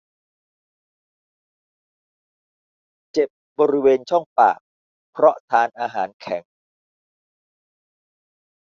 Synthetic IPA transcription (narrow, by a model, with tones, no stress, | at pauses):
t͡ɕe˨˩p̚bɔː˧ɾi˦˥weː˧nt͡ɕʰɔ˥˩ŋpa̰ː˨˩k̚ | pʰɾɔ˦˥t̪ʰaː˧nʔaː˧ɦa̰ː˩˦nkʰɛ˩˦ŋ